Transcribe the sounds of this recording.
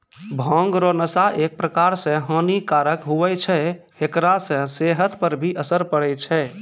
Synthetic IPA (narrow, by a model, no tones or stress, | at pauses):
bʱə̃ŋɡɾonəsaʔek̚pɾəkaɾsə̃ɦə̃nikaɾəkɦuʋɛt͡ʃʰɛ | ekɾasə̃seɦət̪pəɾbʱiʔəsəɾpəɽɛt͡ʃʰɛ